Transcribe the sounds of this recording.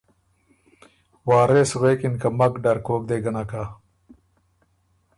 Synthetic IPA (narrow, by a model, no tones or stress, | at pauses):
waːɾesweːkinkɐmɐkɖɐɾkoːk̚d̪eːɡɐnaka